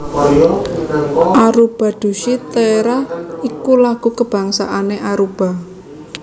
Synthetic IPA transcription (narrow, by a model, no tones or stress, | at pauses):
ʔaɾub̥a̤d̪̥ṳʃit̪əeɾahikulaɡ̥ṳkəb̥ä̤ŋsa̰ʔaneʔaɾub̥a̤